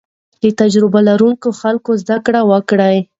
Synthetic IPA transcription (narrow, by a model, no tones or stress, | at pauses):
d̪ət̪ad͡ʒɾɪbalaɾuŋkoxalkozd̪akɽawəkɽaj